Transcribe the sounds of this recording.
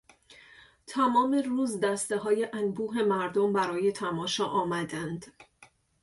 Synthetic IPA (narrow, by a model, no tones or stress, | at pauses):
t̪ʰæmɒːme̞ruːzd̪æst̪e̞ɦɒːjeʔænbuːɦe̞mæɾd̪ombæɾɒːje̞t̪ʰæmɒːʃɒːʔɒːmæd̪ænd̪̥